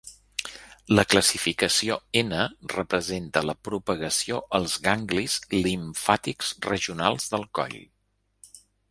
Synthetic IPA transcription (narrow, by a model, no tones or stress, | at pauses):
ləkləsifikəsioenərəpɾəzent̪ələpɾupəɣəsioʔəlˠzɣaŋɡlizliɱfat̪ikzrəʒiunalˠzðəlˠkɔ̰ʎ